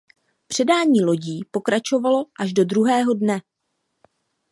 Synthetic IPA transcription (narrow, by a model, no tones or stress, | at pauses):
pr̥ɛdaːɲiːlo̞ɟiːpo̞kɾat͡ʃo̞valo̞ʔaʒdo̞dɾuɦɛːɦo̞dnɛ